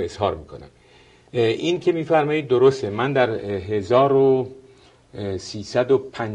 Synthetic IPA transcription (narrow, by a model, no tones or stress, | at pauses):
ez̥hɒːɾmikʰo̞̰næ̰m | ʔincʰe̞miːfæɾmɒːiːd̪̚ːoɾost̪emænd̪æɾɦe̞zɒːɾo | siːsæd̪opʰæn